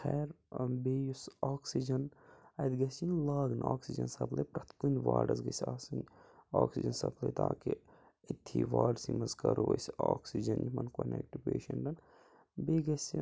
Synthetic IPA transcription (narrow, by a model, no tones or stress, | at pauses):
xʰɛːɾ | beːjusaːksid͡ʒɐnɐjd̪ɡɐsʲinlaːɡnaːksid͡ʒɐnsɐplɐpɾɐt̪ʰkunʋaːɖɐzɡɐsʲaːsinoːksid͡ʒɐnsɐpʰlɐt̪aːki | it̪ʰːiːʋaːɖsimɐzkɐɾoʋɐ̰sʲoːksid͡ʒɐnjimɐnkonekʈipeːʃɐnɖɐn | beːɡɐsi